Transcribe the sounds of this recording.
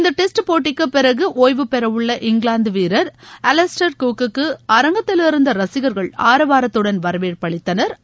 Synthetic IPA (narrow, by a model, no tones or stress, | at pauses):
ɪnd̪ɐʈɛsʈɯpoːʈːɪkːɯpɪɾɐɣɯʔoːjʋɯpɛɾɐʋɯɭːɐʔɪŋɡɭaːnd̪ɯʋiːɾɐɾɐlɛsʈɐɾkuːkːɯkːɯɐɾɐŋɡɐt̪ːɪlɪɾɯnd̪ɐɾɐsɪɣɐɾɣɐɭaːɾɐʋaːɾɐt̪ːɯɽɐnʋɐɾɐʋeːɾpɐɭɪt̪ːɐnɐɾ